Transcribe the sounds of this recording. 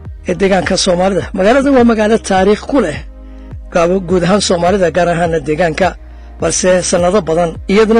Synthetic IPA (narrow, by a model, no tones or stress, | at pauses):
ʔɛːd̪ɛːɣaːŋkʰɐsɔːmaːlɪðɐmɐɣaːlɐðɐnwɑːmɐɣaːlɐt̪ʰaːɾiːχkʰʊlɛ | ɡ̥aːβɡuːðɐɦaːnsɔːmaːlɪðɐɡaːɾaɦaːnːɐd̪ɛːɣaːŋkʰɐ | bɐlsɛsɐnːɐðɐbɐðɐnɪjɐðʊnɐ